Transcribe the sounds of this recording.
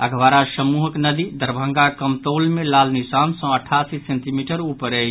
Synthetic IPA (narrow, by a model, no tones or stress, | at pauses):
əɡʱʋaɾasəmuɦəknəd̪id̪əɾbʱə̃ŋɡakəmt̪olmelalnisansə̃əʈʰasisẽnt̪imiʈəɾupəɾɛ